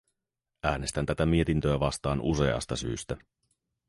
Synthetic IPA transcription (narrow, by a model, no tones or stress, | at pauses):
æːne̞st̪ænt̪æt̪æmiet̪int̪øæʋɑst̪ɑːnʔuse̞̰ɑ̰st̪ɑsy̰ːst̪æ